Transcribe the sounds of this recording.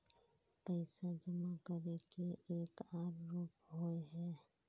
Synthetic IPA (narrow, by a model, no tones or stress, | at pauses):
pəɪsad͡ʒəmakəɾekeeːkaːɾːoːpɦoeɦɛː